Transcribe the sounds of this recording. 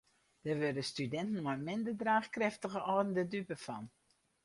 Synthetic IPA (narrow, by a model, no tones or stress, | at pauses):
d̥ərʋødəstydɛntən̩ɔmɪndərdraːχkrɛftəɣəʔɔdən̩dədypəfɑn